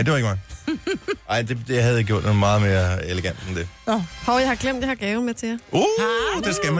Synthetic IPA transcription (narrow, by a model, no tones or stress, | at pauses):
d̥eʋɑeɡəmɑ | ɑɪ̰d̥e̝d̥e̝hæð̩ˠeɪɡjo̝ɐ̰d̥ɔːð̩ˠmɑ̈ːð̩ˠme̝ːɐeleɡ̥æn̰d̥end̥e̝hɒʊjɑ̈ɪhɑ̈ɡ̥lem̰d̥jɑhɑ̈ɡ̥ɛːʊmet͡sʰe̝jaod̥esɡ̥æm